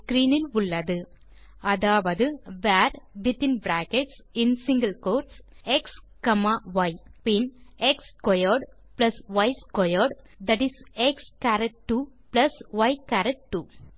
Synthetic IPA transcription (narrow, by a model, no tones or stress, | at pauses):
skɾiːnɪlʊɭːɐðɯ | ɐðaːʋɐðɯʋæːɾbɪt̪ːɪnbɾaːkɛʈs | ɪnsɪ̃ŋɡɐlkoːɾʈsɛks | kɐmaʋɐɪpɪnɛkskɔjɔɾɖ | plɐsʋɐɪskɔjɔɾɖ | d̪ɐʈɪsɛkskæːɾɛʈ̚ʈːuplɐsʋɐɪkæːɾɐʈ̚ʈːu